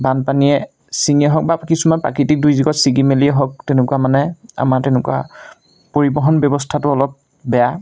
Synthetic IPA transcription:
banpaniɛ | siniɛɦɔk̚bakisumanpɹa̰kitik̚dujziɡɔtsiɡimeliɛɦɔk̚tɛnʊkuamanɛa̰maɹtɛnʊkua̰ | poɹibɔɦɔnbjɔbɔstʰatʊɔlɔp̚ | bɛja

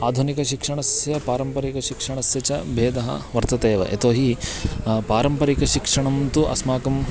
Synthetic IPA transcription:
aːd̪ʱunikɐʃikʂɐɳɐsjɐpaːɾɐmpɐɾikɐʃikʂɐɳɐsjɐt͡ʃɐbʱeːd̪ʱɐɦɐ̰ʋɐɾt̪ɐt̪eːʋɐ̰ʔḛt̪oːɦi | paːɾɐmpɐɾikɐʃikʂɐɳɐmt̪uʔɐ̰smaːkɐm

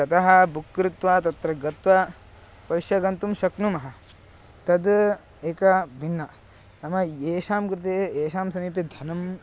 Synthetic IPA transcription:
t̪ɐt̪ɐɦɐbukɾut̪ʋaːt̪ɐt̪ɾɐɡɐt̪ʋɐ | pɐʃjɐɡɐnt̪umʃɐknumɐɦɐ̆ | t̪ɐd̪ | eːkɐʋʱinːɐ | nɐmɐeːʃaːmkɾɪt̪̬eeːʃaːmsɐmiːped̪ʱɐnɐm

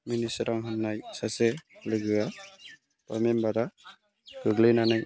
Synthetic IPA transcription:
minisɾaŋɦɯnːajsaselɯɡɯa | pa̰membaɾa | ɡ̥ɯɡlɯjnanɯj

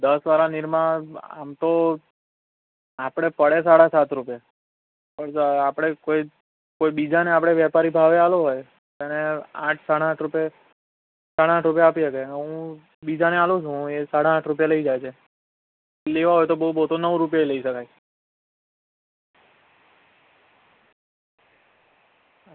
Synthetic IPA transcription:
d̪əsʋaɾanɪɾmaa̰mt̪o | apɽ̃epəɽesaɽasat̪ɾupja | pəɳt̪apɽ̃ekoi | koibid͡ʒaneapɽ̃eʋɛpaɾibʱaʋealoɦoj | t̪aneã̰ʈʰsaɽaaʈʰɾupja | saɽaaʈʰɾupjaːpijekeɦũ | bid͡ʒanealũt͡ʃʰũesaɽãːʈʰɾupjaləid͡ʒajt͡ʃʰe | leʋaɦojt̪obəɦubəɦt̪onəʋɾup̬jaeləiʃəkaj

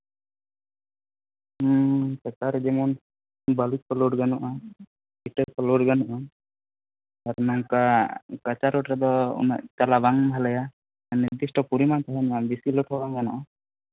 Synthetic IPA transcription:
sɛkaɾɛd͡ʒɛmɔn | balit̪̚kɔlɔɖɡanɔʔa | biʈɛɾkɔloɖɡanɔʔɔ | aɾmaŋkakat͡ʃaɾoʈɾɛd̪ɔṵna̰ʔt͡ʃalabaŋbʱalɛja | aniɾd̪isʈɔpuɾimant̪aɦɛnabisiloʈɔbaŋɡanɔʔɔ

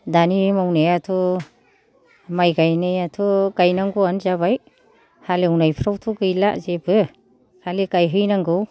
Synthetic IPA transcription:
danimawneatʰu | majɡajnejatʰuɡajnaŋɡuanzaβaj | halewnajpʰɾawtʰuɡɯjla̰ʔzebɯ | haliɡajɦɯjnaŋɡɯw

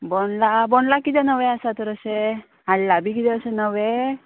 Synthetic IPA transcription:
boɳlaboɳlakit̪ɛnəʋeasat̪əɾəse | ɦaɽlabʱiːkit̪ɛəsenəʋe

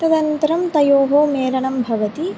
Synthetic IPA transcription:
t̪ɐd̪ɐnt̪ɐɾɐmt̪ɐjoːɦoːmeːɾɐɳɐmbʱɐʋɐt̪i

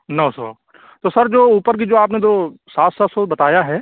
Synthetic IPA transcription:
nɔːsɔ̰ː | t̪oːsɐɾd͡ʒoːuːpəɾk̬id͡ʒoːaːp̬nẽd͡ʒ̪oːsaːt̪ʰsɔt̪sɔbɐt̪aːjaɦɛː

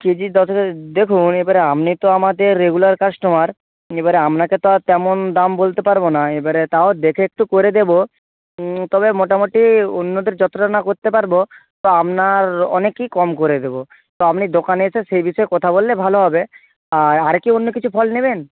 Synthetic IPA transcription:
kid͡ʑid̪ɔt̪ed̪ekʰunebaɾeamnit̪oamad̪eɾːeɡulaɾkaʃʈomaɾ | ebaɾeamnaket̪oat̪ɛmond̪ambolt̪epaɾbonaebaɾet̪aod̪ekʰeek̚ʈukoɾed̪ebo | t̪ɔbemoʈamoʈionːod̪eɾd͡ʑɔt̪oɾanakoɾt̪epaɾbot̪oamnaɾɔ̰nekːikɔmkoɾed̪ebo | t̪oamnid̪okaneet͡ɕʰeʃejbiʃɔekɔt̪ʰabolːebʱaloɦɔbe | aaɾkionːokit͡ɕʰupʰɔlneben

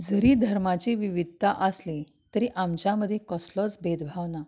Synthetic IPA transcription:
d͡zəɾiːd̪ʱəɾmat͡ɕiːʋiʋid̪̚ʱt̪aʔəsli | t̪əɾiːʔamt͡ɕjaməd̪ʱːjekɔslɔt͡sbed̪bʱaʋna

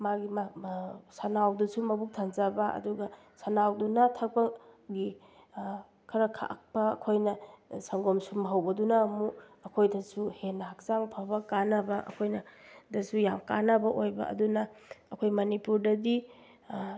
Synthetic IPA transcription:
maɡim | sanawdusumɐbuk̚tʰanzabɐʔɐ̰duɡɐ | sanawdunɐtʰɐk̚pɐɡi | kʰɐɾɐkʰa̰k̚pɐɐ̰kʰojnɐsɐŋɡomsumɐɦɐwbɐdunɐːmuɐkʰojdɐsuhenːɐhak̚zaŋpʰabɐkanɐbɐʔɐ̰kʰojnɐdɐsujamkanɐbɐʔojbɐ̰ʔɐ̰dunɐːkʰojmɐnipuɾdɐdi

